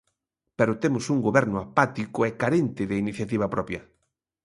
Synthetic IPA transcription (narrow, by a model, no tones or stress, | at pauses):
pɛɾʊt̪emʊsuŋɡoβɛɾnʊapat̪ikʊɛkaɾent̪ɪðeiniθjat̪iβ̞ɐpɾɔpjɐ